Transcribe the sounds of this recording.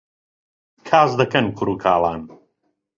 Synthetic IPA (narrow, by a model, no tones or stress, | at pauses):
kʰaːzd̪ɐkɐnkʰʊɾuːkʰaːlˠaːn